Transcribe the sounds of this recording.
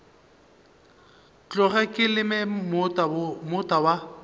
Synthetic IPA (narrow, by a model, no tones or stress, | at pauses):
t͡ɬʼʊɣɛkʼɪlɪmɛmʊmʊtʼawa